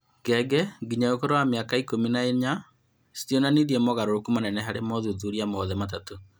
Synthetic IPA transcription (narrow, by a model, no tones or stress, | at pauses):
ɡɛɡɛɡiɲaokoɾowameakaikominaeɲa | sitionaniðiɛmɔɣaɾoɾokumanɛnɛɦaɾemɔðuðuɾiamɔðɛmat̬ato